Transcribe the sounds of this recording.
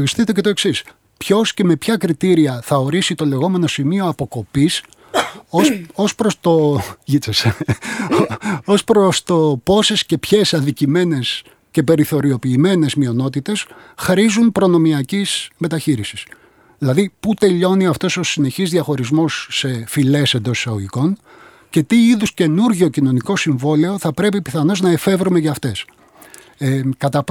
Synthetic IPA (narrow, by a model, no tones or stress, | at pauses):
ʝisθit̪e̞cet̪o̞e̞ksis | pço̞sce̞me̞pçɐkɾit̪iɾiɐθɐo̞ɾisit̪o̞le̞ɣo̞me̞no̞simio̞ɐpo̞ko̞pis | osospɾost̪oʝit͡sese | o̞spɾost̪o̞po̞se̞sce̞pçe̞sɐðicime̞ne̞s | ce̞pe̞ɾiθo̞ɾio̞piːme̞ne̞zmio̞no̞t̪it̪e̞sxɾizunpɾo̞no̞miɐcizme̞t̪ɐçiɾisi̥s | ðilɐðiput̪e̞ʎo̞niɐft̪o̞so̞sine̞çizðiɐxo̞ɾizmo̞sːe̞file̞se̞nd̪o̞si̥sɐɣoʝiko̞n | ce̞t̪iiðusce̞nuɾʝocino̞niko̞siɱvo̞le̞o̞θɐpɾe̞pipiθɐno̞znɐefe̞vɾume̞ʝɐːft̪e̞s | kɐt̪ɐp